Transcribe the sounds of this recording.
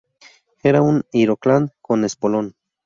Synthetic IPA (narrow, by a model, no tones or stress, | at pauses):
eɾauniɾoklankonespolon